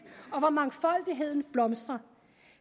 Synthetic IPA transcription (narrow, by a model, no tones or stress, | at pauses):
ɒ̽ʋɑ̈mɑ̈ŋfɒ̽l̰d̥iɦe̝ð̞̰ˠn̩b̥lɒ̽msd̥ʁɐ